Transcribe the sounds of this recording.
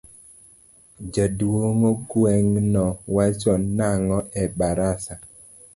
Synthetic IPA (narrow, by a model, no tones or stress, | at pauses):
d͡ʒadwoŋoɡwɛŋnɔwat͡ʃɔnaŋɔʔɛbaɾasa